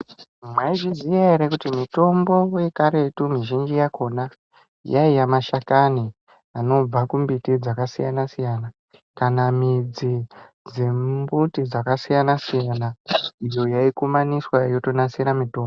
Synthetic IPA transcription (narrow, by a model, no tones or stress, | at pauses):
mwaiʐizijaeɾekutimito̞mbo̞je̞kaɾe̞tumiʒind͡ʒijako̞na | jaijamaʃakani | ano̞b͡vakumbitid͡zakasijanasijana | kanamid͡zi | d͡zembutid͡zakasijanasijanaijo̞jaikumaniswajo̞to̞nasiɾamito̞ːmbo